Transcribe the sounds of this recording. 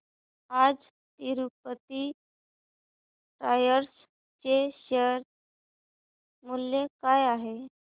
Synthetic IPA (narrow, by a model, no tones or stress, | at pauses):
ad͡z | t̪iɾup̚ət̪i | ʈajəɾs | t͡ɕeɕeɾ | muljekajaɦe